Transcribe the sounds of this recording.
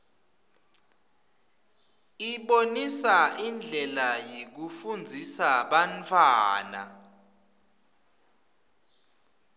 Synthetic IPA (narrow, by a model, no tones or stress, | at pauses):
iɓonisaʔind͡ɮʱɛlajek̬ufund͡zʱisaɓantʰʼwaːna̰